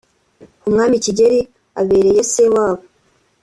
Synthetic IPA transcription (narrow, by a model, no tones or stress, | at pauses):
kumŋaːmiciɟeɾi | aβe̞ːɾe̞je̞sewaːβo